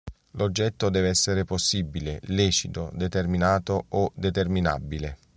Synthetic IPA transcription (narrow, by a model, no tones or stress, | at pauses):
lod͡ʒːɛt̪ːod̪ɛːveɛsːeɾeposːibːileliːt͡ʃid̪o̰d̪et̪erminaːt̪oʔod̪et̪ermina̰bːile